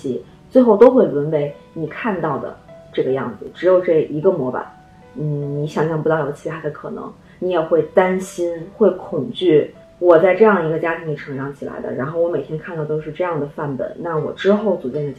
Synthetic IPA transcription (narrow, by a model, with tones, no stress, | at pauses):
i˧˥ | t͡swe˥˧ɪxo˥˩ʊt̪o˥ʊxwe˥˩ɪlə˧˥npe˧˥ɪni˨˩kʰa˥˧nt̪ɑ˥˩ʊd̪ə̰˩ʈ͡ʂɤ˥˩ɡə˩jɑ̰˥˩ŋd͡zɹ̩˩ʈ͡ʂɻ̩˧˥jo˨˩ʊʈ͡ʂɤ˥˩ʔi˧˥ɡə˧mwɔ˧˥pa̰˨˩˦n | n̩˥˩ni˧˥ɕjɑ˨˩ŋɕjɑ˥˩ŋpu˧˥t̪ɑ˥˩ʊjo˨˩ʊt͡ɕʰi˧˥t̪ʰa˥d̪ə˧kʰɤ˨˩nɤ̰˧˥ŋ | ni˧˥jɛ˨˩xwe˥˩ɪt̪a˥nɕi˥nxwe˥˩ɪkʰʊ˨˩ŋt͡ɕy˥˩ | wɔ˨˩t͡sa˥˧ɪʈ͡ʂɤ˥˧jɑ˥˩ŋd̪ə˩i˧˥ɡə˧t͡ɕja˥t̪ʰi˧˥ŋli˧˩ʈ͡ʂʰɤ˧˥ŋʈ͡ʂɑ˧˥ŋt͡ɕʰi˨˩la̰˧˥ɪd̪ə̰˧ɻa˧˥nxo˥˩ʊwɔ˧˥me˨˩ɪt̪ʰjɛ˥ŋkʰa˥˧nt̪ɑ˥˩ʊt̪o˥ʊʂɻ̩˥˧ʈ͡ʂɤ˥˧jɑ˥˩ŋd̪ə˩fa˥˩npə̰˨˩˦nna˥˩wɔ̰˨˩ʈ͡ʂɻ̩˥xo˥˩ʊt͡su˨˩t͡ɕjɛ˥˩nə˩